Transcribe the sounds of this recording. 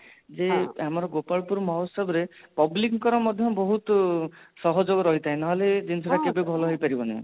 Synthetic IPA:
d͡ʒeamɔɾɔɡopalpuɾmaosɔbɾepɔblikŋkɔɾɔmɔd̪ʱjɔbɔɦut̪sɔɦɔd͡ʒoɡɔɾɔɦit̪aɦẽnaɦɔled͡ʒinsʰɔɾakebebʱɔlɔɦojpaɾibɔnḛ

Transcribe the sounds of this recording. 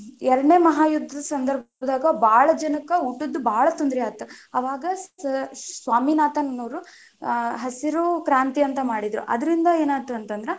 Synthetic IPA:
ɛɾɐɽɳeːmɐɦaːjud̪ʱːɐd̪ɐsɐnd̪ɐɾb | d̪aːɡɐbaːɭɐd͡ʒɐnɐkːɐuʈːod̪ːubʱaːɭɐt̪ond̪ɾijaːt̪ɐɐʋaːɡɐ | sʋaːminaːt̪ɐnɐnɐːɾu | ɦɐsiɾukɾaːnt̪iɐnt̪ɐmaːɽid̪ɾṵʔɐ̰d̪ɐɾind̪ɐeːnaːt̪ːuɐnt̪ɐnd̪ɾe

